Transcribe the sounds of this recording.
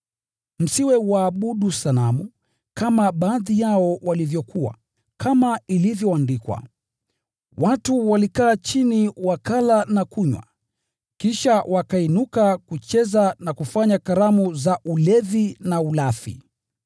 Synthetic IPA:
m̩siwɛwaːɓuɗusalamu | kamaɓaːðijaɔwalivjɔkʰuwa̰ | kʰamailivjɔandikwa̰ | watuwalikaːt͡ʃiniwakalanakuɲwa̰ | kiʃawʔakainukakut͡ʃɛzanakufaɲakaɾamuzaʔulɛðinaulafḭ

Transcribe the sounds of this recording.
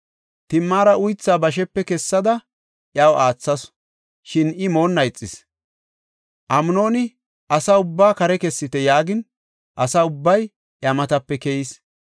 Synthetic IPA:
t̪ɪmːaːɾɐʊjt͡sːaːbɐʃ̬ɛpːɛkɛsːɐd̪ɐ | ʔjɐwʔaːt͡sːɐs | ʃɪnɪmo̞ːnːɐjt͡sʼːɪs | ʔɐmʊno̞ːnɪ | ʔɐsaʊbːaːkɐɾɛkɛsːɪt̪ɛjaːɡɪn | ʔɐsaʊbːɐj | ʔjɐmɐt̪ɐpːɛkɛjɪs

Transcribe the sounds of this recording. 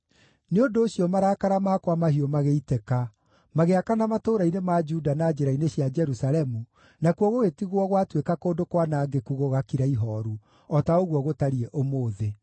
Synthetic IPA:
neondoːɕiɔmaɾaːkaɾamaːkwamahiɔmaɣeitɛka | maɣeakanamatoːɾainemad͡ʒudanaːd͡ʒeɾaineɕjad͡ʒɛɾusalɛmu | nakwɔɣoɣetiɣwɔɣwatwekakoːndokwanaːɡekuɣoɣakiɾaiɦɔɾu | ɔtaoɣwɔɣotaɾiɛʔomoːðe

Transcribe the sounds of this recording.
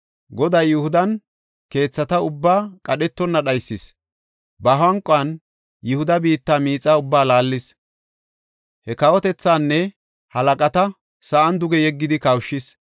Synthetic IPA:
ɡɔd̪ɐjːʊhʊd̪ɐn | ke̞ːt͡sːɐt̪ɐʊbːaːkʼɐɗɛt̪ːɔnːɐɗɐjsːɪs | bɐɦɐŋkʼɐn | jʊhʊd̪ɐbiːt̪ːaːmiːt͡sʼːaːʊbːaːlaːlːɪs | hɛkɐwɔt̪ɛt͡sːaːnːɛ | hɐlɐkʼɐt̪ɐ | sɐʔɐnd̪ʊɡɛjɛɡːɪd̪ɪkɐwʃːɪs

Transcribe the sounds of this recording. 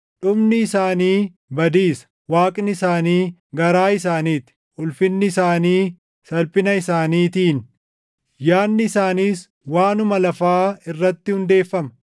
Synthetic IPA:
ᶑʊbnɪːsaːniː | bɐd̪iːsɐ̥ | waːkʼnɪɪsaːniːɡɐɾaːɪsaːniːt̪ɪ̥ | ʔʊlfɪnːɪːsaːniː | sɐlpɪnɐɪsaːniːt̪iːn | jaːnːɪːsaːniːs | waːnʊmɐlɐfaːɪrːɐt̪ːɪhʊnd̪e̞ːfːɐmɐ̥

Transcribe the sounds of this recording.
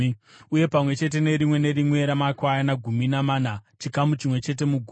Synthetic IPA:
uje̞pamwe̞t͡ʃe̞t̬e̞ne̞ɾimwe̞ne̞ɾimwe̞ɾamakwajanaɡʱuminamaːnat͡ʃikamut͡ʃimwe̞t͡ʃe̞t̬e̞muɡʱu

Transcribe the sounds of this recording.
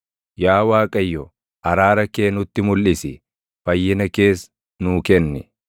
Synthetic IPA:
jaːwaːkʼɐjːɔ | ʔɐɾaːɾɐke̞ːnʊt̪ːɪmʊlʔɪsɪ | fɐjːɪnɐke̞ːs | nuːkɛnːɪ

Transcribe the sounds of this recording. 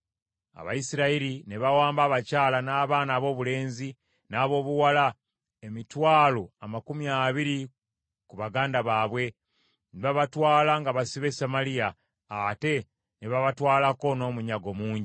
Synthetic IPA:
a̰βa̰jisiɾaiɾineβawaːmbaːβacaːlanaːβaːnaːβo̞ːβule̞ːnzi | naːβo̞ːβuwala | emitwaːlo̞amakumiaːβiɾi | kuβaɡaːndaβaːβwe̞ | niβaβatwaːlaŋɡaβasiβe̞samalijaː | te̞ | neβaβatwaːlako̞no̞ːmuɲaɡo̞muːɲɟi

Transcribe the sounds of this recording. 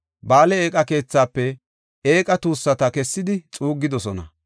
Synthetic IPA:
baːlɛeːkʼɐke̞ːt͡sːaːpːɛ | eːkʼɐt̪uːsːɐt̪ɐkɛsːɪd̪ɪt͡sʼuːɡːɪd̪ɔsɔnɐ

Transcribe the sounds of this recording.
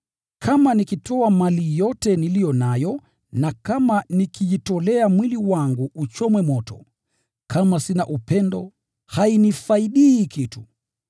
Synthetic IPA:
kʰamanikitɔamalijɔtɛnilijɔnajɔ | nakamanikijitɔlɛamwiliwaŋɡuut͡ʃɔmwɛmɔtɔ̰ | kʰamasinaʔupɛndɔ | hainifaiɗiːkitu

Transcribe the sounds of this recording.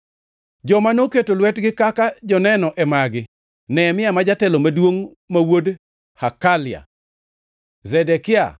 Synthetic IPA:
d͡ʒɔmanoketolwɛtɡɪkakad͡ʒɔnɛnɔʔɛmaɡɪ | nɛmɪamad͡ʒatɛlomadwoŋ | mawod | hakalɪa̰ | zɛdɛkɪa̰

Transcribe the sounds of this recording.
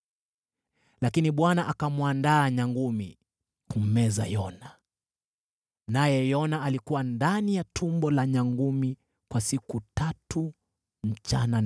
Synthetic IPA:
lakiniɓwanaʔakamwandaːɲaŋɡumḭ | kum̩mɛza̰jɔna | najɛjɔnaːlikuwandanijatʰumbɔlaɲaŋɡumi | kwasikutatu | m̩t͡ʃa̰nan

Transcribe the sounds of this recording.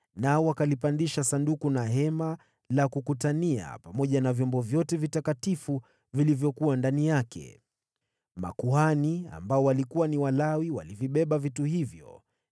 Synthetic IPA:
naɔwakalipandiʃasandukunaɦɛma | lakukutania̰pamɔʄanavjɔmbɔvjɔtɛvitakatifu | vilivjɔkuwandanijakʰɛ̰ | ma̰kuhania̰mbaɔwalikuwaniwalawiwa̰liviɓɛɓavituhivjɔ̰

